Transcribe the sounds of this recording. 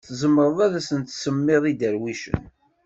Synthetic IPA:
θzəmːəɾˤðˤaðæsənt̪səmːɪðˤid̪əɾwiʃə̰n

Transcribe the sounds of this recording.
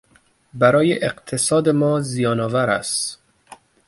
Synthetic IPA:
bæɾɒːjeʔeqt̪ʰesɒːd̪emɒːzijɒːnɒːvæɾæ̰st̪

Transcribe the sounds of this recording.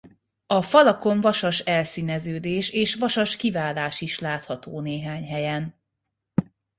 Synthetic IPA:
ɒfɒlɒko̞ɱvɒʃɒʃɛlsiːnɛzøːd̪eːʃeːʃʋɒʃɒʃkivaːlaːʃiʃlaːt̪hɒt̪oːneːɦaːɲɦɛjɛn

